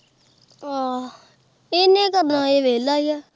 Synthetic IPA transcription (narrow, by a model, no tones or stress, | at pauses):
aː | eːnẽːkəɾnãːeːʋeːlaːijaː